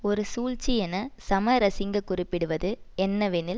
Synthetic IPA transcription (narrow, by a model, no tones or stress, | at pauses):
ɔɾɯsuːlt͡ʃːijɛnɐsɐmɐɾɐsɪŋɡɐkʊrɪpːɪɽɯʋɐðɯɛnːɐʋɛnɪl